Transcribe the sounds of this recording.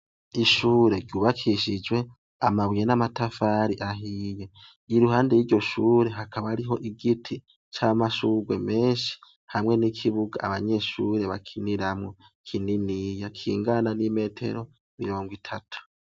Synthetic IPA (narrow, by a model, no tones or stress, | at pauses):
iʃuːɾe̞ɾɟuːβakʰiʃid͡ʒwe̞ | amaβwijenamatafaɾiʔaɦiːje | iɾuɦaːndejiːɾɟo̞ʃuːɾe̞ɦakʰaβaɾiɦo̞ʔiɡitʰi | t͡ʃamaʃuɡwe̞me̞ːnʃi̥ | hamŋe̞nikʰiβuɡa̰ːβaɲe̞ʃuɾe̞βakʰiniɾamŋo | kʰininijakʰḭːŋɡananime̞ːtʰe̞̰ɾo̞ | miɾo̞ːŋɡwitʰatʰu̥